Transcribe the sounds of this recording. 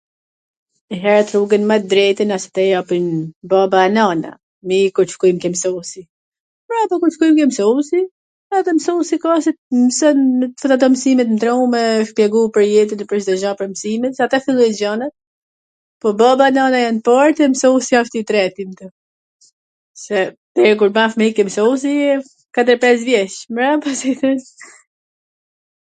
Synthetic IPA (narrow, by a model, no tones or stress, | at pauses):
ɛɦɛɾat̪ɾuɡɛnmat̪d̪ɾɛjt̪ənasɛ̥t̪ɛjapinbabanana̰ | mikuɾt͡ʃkujmkɛmsɔsi | pɾaapɔkuɾt͡ʃkujmkɛmsɔsi | at̪ɛmsɔsikasɛmsənət̪fət̪at̪̬ɔmsimɛt̪mt̪ɾɔmɛʃpjɛɡupəɾjɛt̪inɛpɾɛsd̪ɛʒɔpəɾmsimɛt̪sɛat̪afilˠɔɛd͡ʑɔnat̪̚ | pɔbɔbanɔnajanpɔɾt̪ɛmsɔusiaʃt̪it̪ɾɛt̪imt̪ɔ | sɛ | tɛɾk̬uɾmafmɛikɛmsɔus̬iɛ | kat̪əɾpɛs̬vjɛʃmɾapasiθɛn